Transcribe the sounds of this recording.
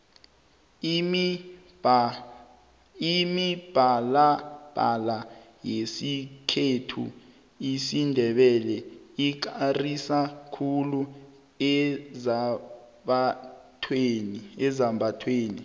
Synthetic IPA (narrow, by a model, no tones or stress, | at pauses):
imib̥ʱalab̥ʱa̰la | jesikʰetʰṵ | isindʱɛɓɛlɛik̬arisakʰulu | ɛzaɓatʰweniɛzambʱatʰweːnḭ